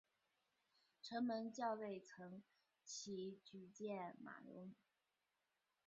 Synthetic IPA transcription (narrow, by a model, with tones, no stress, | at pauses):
ʈ͡ʂʰɤ˧˥ŋmə˧˥nt͡ɕjɑ˥˧ʊle˥˩ɪt͡sʰɤ˧˥ŋ | t͡ɕʰi˧˥t͡ɕy˧˥t͡ɕjɛ˥˩nma̰˨˩lʊ̰˧˥ŋ